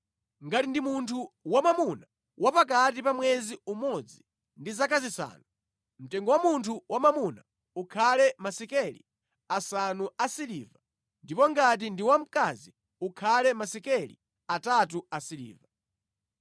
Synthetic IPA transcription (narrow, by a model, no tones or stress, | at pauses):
ŋɡatindimuntʰuwamamuna | wʔapak̬at̬ipamwɛziumɔd͡zi | ndizak̬azisa̰ːnu | m̩tɛŋɡɔwamuntʰuwamamuna | ukʰalɛmasikɛlḭ | asanuasiliːva | ndipɔŋɡat̬indiwam̩kazi | ukʰalɛmasikɛlḭ | atat̬uasilḭːva